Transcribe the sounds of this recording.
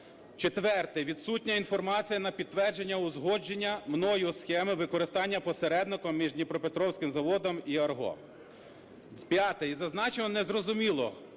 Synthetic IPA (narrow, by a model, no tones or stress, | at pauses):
t͡ʃet̪ʋɛrt̪ɪʋʲid̪sutʲnʲɐinfɔrmɑt͡sʲijɐnɐpʲid̪̚t̪ːʋɛrd͡ʒe̞nʲːɐʊzɦɔd͡ʒenʲːɐmnɔjɔsxɛmɪʋɪkɔɾɪst̪ɑnʲːɐpɔseɾɛd̪nɪkɔmʲːiʒnʲipɾɔpet̪ɾɔwsʲkɪmzɐʋɔd̪ɔmiɐrɦɔ̰ | pʲjɑt̪ɛizɐznɑt͡ʃenɔnɛzrɔzʊmʲilˠɔ̰